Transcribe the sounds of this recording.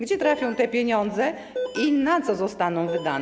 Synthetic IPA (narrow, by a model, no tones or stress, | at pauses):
ɡd͡ʑɛt̪ɾafʲjɔ̃w̃t̪ɛpʲjeɲɔnd̪zɛ | inat̪sɔzɔst̪anɔ̃w̃vɘd̪anɛ